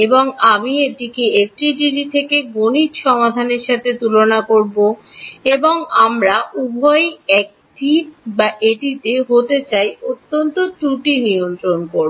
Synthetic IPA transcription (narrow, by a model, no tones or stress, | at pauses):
eboŋamieʈikeek̚ʈɾiɖiʈit̪ʰekeɡonitʃɔmad̪ʱaneɾʃat̪ʰet̪ulonakoɾboeboŋamɾaʔubʱɔjɛk̚ | ʈibaʔeʈit̪eɦot̪et͡ɕajot̪ːont̪oʈuʈiniont̪ɾonkoɾbo